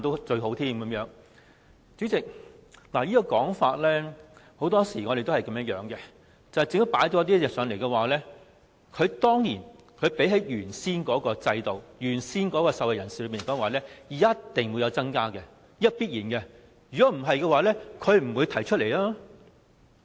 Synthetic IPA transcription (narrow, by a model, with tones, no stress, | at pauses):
nt̪o˥t͡ʃɵ˧ɥɦo˨˧˥wt̪ʰiː˥mkɐ˨˦mjœː˨˧˥ŋ | t͡ʃyː˨˥t͡sɪ˨k̚ | laː˨˩jiː˥kɔː˧kɔː˨˥ŋfaː˧t̚lɛː˥ho˨˥wt̪ɔː˥siː˨˩ŋɔː˨˧ɾe˨jt̪o˥hɐ˨jkɐ˨˥mjɐ˥t̚jœː˨˥ŋkɛ˧ | t͡sɐ˨whɐ˨jt͡sɪ˧ŋt̪ʊ˥paː˨˥jt̪o˧˥t̪iː˥jɛ˨sœː˨˧ŋle˨˩jkɛ˧waː˨˩lɛː˥ | kʰɵ˨˧t̪ɔː˥ŋjiː˨˩n | kʰɵ˨˧pe˨˥jɦɐ˨˥jjyː˨˩nsiː˥nkɔː˨˥kɔː˧t͡sɐ˧jt̪o˨wjyː˨˩nsiː˥nkɔː˨˥kɔː˧sɐ˨wɐ˨jɐ˨˩nsiː˨lɵ˧piː˨˩nkɔː˨˥ŋwaː˨˥lɛː˥jɐ˥t̪ːɪ˨ŋwuː˨˧jɐ˨˧wt͡sɐ˥ŋkaː˥kɛ˧ | jɐ˥t̚piː˥t̚jiː˨˩nkɛ˧ | jy˨kɔː˨˥m̩˨˩ɦɐ˨jkɛ˧waː˨˧lɛː˥kʰɵ˨˧ɥm̩˨˩wuː˨˧jt̪ʰɐ˨˩jt͡ʃʰt̚le˨˩laː˥